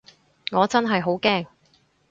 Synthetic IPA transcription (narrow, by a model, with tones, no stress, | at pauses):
ŋɔː˨˧t͡sɐ˥nɦɐ˨jɦo˨˥wkɛː˥˩ŋ